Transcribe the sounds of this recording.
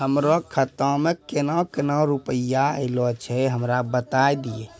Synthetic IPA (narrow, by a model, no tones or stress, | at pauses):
ɦəmɾɔkʰət̪ãmekenãkenaɾupəjaelɔt͡ʃʰɛɦəmɾabət̪ajd̪ije